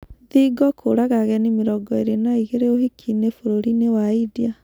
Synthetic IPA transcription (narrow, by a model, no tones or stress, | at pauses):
ðiɡɔkʰoɾaɣaɣɛnemeɾɔɡɔeɾenaiɣeɾeoɦekʰinefoɾoɾinewaidia